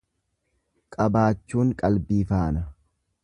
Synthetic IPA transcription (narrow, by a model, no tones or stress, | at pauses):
kʼɐbaːt͡ʃːuːŋkʼɐlbiːfaːnɐ